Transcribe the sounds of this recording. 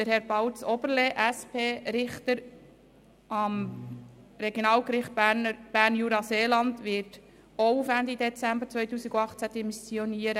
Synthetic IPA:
d̥əɾhɛɾb̥ɑwt͡sɔbəɾleʔæspʰeːɾɪχt̪əɾ | ɑm | ɾɛɡjonɑːlkɾɪχt̚nb̥æɾnjuːɾɑseːlɑnd̪ʋɪːt | oʊfændid̪ɛt͡sæmbəɾt͡sʋœjtuːsiɡuɑχt͡sæd̥̪ɛmisioniəɾə

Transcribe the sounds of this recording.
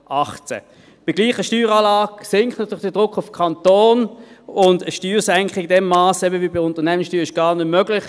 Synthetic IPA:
ʔɑχt͡sɛ̰ | b̥ɪɡliːχəʃtyːʁɑːlaːɡsɪŋkχtnɑtʰyːlɪχdəd̥ʁʊkʰːʊfkʰɑntoːnʊndəʃtyːʁsɛŋkχɪɡdɛmːaːsɛbəvibiʊntəʁnɛmənsʃtyːɪʃɡ̥ɑːɐnømøɡlɪχ

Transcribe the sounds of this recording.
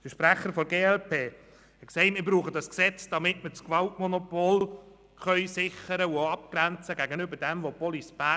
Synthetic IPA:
d̥əʃpɾæχəɾfɔɡeːɛlpʰeː | ɛksɛɪtmɪɾbɾuːχədɑsksɛt͡sd̥ɑmɪtmət͡skʋɑltmonopoːl | χœʏsɪχəɾəuoɑpɡ̥ɾænt͡səɡæɡənʏbəɾd̥ɛmʋopɔlisb̥æː

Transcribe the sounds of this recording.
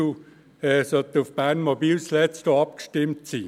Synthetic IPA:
u | ɛːsœt̪ufb̥ænmobiːlslɛt͡sd̥oɑp̚kʃtɪmtsiː

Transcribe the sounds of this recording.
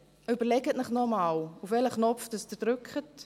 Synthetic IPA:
ybərlɛɡətnəχnɔmaːwufʋɛləχnɔfdəsdədrʏkχət

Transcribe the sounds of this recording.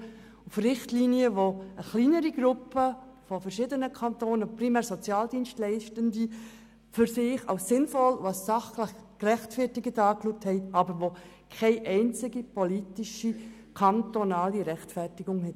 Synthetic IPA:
ufrɪχtliːniəʋoəχliːnəɾiɡ̥ɾʊpəfɔfəɾʃɪdənəkʰɑntoːnəpɾimɛːɾsɔt͡sjɑːldiːnstlɛɪʃtəndi | fʏɾsɪːχɑ̰ʊsːɪnfɔlʋasːɑχləχkrɛχtfɛtɪɡədɑːkluːk̚thɛɪɑbəɾʋo | kʰɛɪʔɛɪnt͡sɪɡipʰɔlitiʃikʰɑntonɑːliɾɛχtfɛrtɪɡ̥ʊŋhɛt

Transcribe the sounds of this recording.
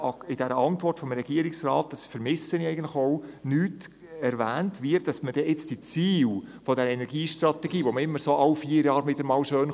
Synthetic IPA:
ɪd̥ɛɾəʔɑntvɔrtfɔmɾɛɡ̥iəɾɪksrɑːt̚d̥ɑsfəɾmɪsəniɛɪɡəntlɪxoʊnyːt | ɛɾvæːntʋɪːtd̥ɑsməd̥ɛʔɪt͡sd̥it͡siːwfodɛɾəɛnɛɾɡiːʃtrɑt̪ɛɡiːʋoməɪmːəɾsoːʔɑwfiːəɾjɑːɾmɪdəɾmɑːlʃøːn

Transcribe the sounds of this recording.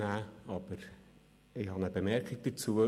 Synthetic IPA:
æːɑb̥əɾ | ɪhɑnəbəmɛɾkɪɡ̚d̥ət͡suːə

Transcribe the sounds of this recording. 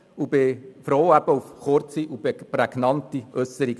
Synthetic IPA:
ubɪfɾoːæb̥əufχʊɾt͡siʔubpɾɛɡ̥nɑntiʔœsəɾiɡ

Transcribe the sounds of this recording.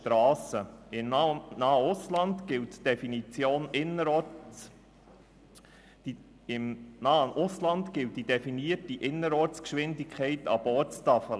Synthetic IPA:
tɾɑːsəɪnɑːəʊslɑnt̪ɡɪltd̥ɛfinit͡sjoːnɪnəɾ | ɪmnɑːəʔʊslɑntɡɪlt̚d̥id̥ɛfiniətiʔɪnːəɾɔːɾt͡skʃʋɪndikʰχɛɪtɑb̥oːtt͡st̪ɑfə

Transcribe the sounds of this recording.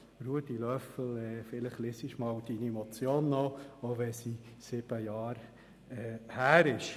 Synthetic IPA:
ɾuətilœfəl̩ɛːfɪləχlɪsɪʃmɑwd̥inimɔt͡sjoːnːooʋɛsi | sɪb̥əjɑːɾ | ɛhæːɾɪʃ

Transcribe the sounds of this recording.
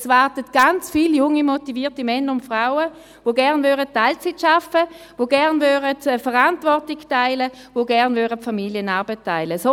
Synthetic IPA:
svaʁtətɡ̥ant͡sfiːljʊŋimotiviːɐtimɛnːəʊntfʁaʊə | voɡɛʁnvøːʁətːaɪlt͡sitʃafə | voɡɛʁnvøːʁətfəʁantvɔʁtiɡtaɪlə | voɡɛʁnvøːʁətfamiljənaɐbətʰːaɪləso

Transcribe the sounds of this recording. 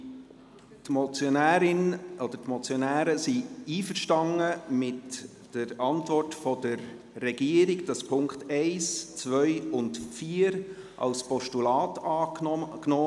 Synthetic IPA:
tmɔt͡sjonæːɾɪnɔd̥ətmɔt͡sjɔnæːɾəsiiːfəɾʃtɑŋəmɪt | d̥əɾɑntvɔrtfɔdəɾː | ɛɡiəɾɪɡd̥ɑspʰʊŋktɛɪst͡svœʏʊntfiəɾ | ʔɑ̰lspɔʃtulɑːtɑːknoː

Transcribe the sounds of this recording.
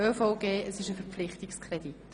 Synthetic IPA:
øːfɔʊɡ̥eːəsɪʃəfəɾpflɪχtɪkskʰrɛd̥it

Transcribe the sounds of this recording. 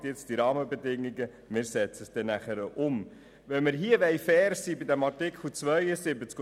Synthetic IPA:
tjɪt͡sd̥iɾɑːməbedɪŋːiɡə | mɪːɾsɛt͡səsd̥ɛnæχəɾəʔʊm | ʋɛmɪɾɦiəʋɛɪfɛːɾsiːbɪdæmɑrtɪkχl̩t͡svʋœjəsɪbət͡sk

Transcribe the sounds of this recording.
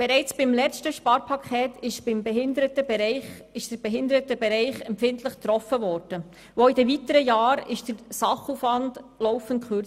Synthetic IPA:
b̥ɛɾɛɪt͡sb̥ɪmlɛt͡stəʃpɑːɾpʰɑkʰɛːtɪʃbɪmbɛɦɪndəɾətəbɾɪɪʃd̥əɾb̥ɛɦɪndəɾətəbɛɾɛɪχɛmpfɪntləχt̪ɾɔfəʋɔːɾd̥ə | ʋoɪdɛvitəɾəjɑːɾɪʃd̥əɾsɑχuːfʋɑndlɔʊfən̩t̚kʰχø

